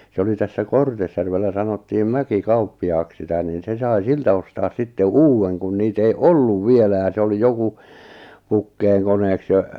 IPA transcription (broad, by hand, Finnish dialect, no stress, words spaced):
se oli tæsːæ kortesjærʋelːæ sɑnotːiːm mækikɑupːiɑːks sitæ niːn se sɑi siltæ ostɑːs sitːe uːwːeŋ kun niːt ei olːuʋ ʋielæ jɑ se oli joku pukːeːŋkoneːks jɑ